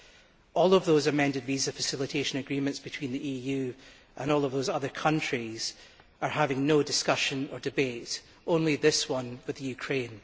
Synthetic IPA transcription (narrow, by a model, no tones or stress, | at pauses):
ʔɔlˠəvðoːzəmɛ̃ndɪdvizəfəsɪlˠɪtʰeʃə̃nəɡɹimə̃ntsb̥ɪtʰw̥ĩnðiʔijʉ | ʔə̰̃nɔlˠʌvðozʌðə˞kʰʌ̃nt͡ʃɹ̥iz̥ | ə˞havɪ̃ŋnodɪskʌʃə̃nə˞dɪbeʔ | ʔõnlˠiðɪswʌ̃nwɪðəjʉkʰɹ̥ẽn